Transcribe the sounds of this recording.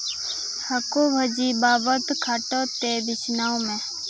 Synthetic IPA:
həkoːbʱəd͡ʒiːbaːʋət̪kʰaːʈoːt̪eːʋɪsnaːõmẽː

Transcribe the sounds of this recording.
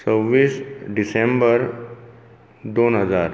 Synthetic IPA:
səbːiːsɖɪsẽmbəɾ | d̪oːnɦəzaːɾ

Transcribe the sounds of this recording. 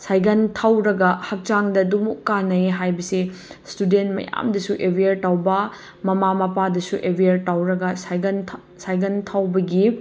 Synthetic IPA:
sajɡɐntʰawɾɐɡɐhɐk̚t͡ʃaŋdɐdumukːanɐeɦajbɐsistudentmɐ̰ja̰mdɐsuʔebiɐɾtawbɐ | mɐmamɐpadɐsuʔebiɐɾtawɾɐɡɐsn | sajɡɐntʰawbɐɡi

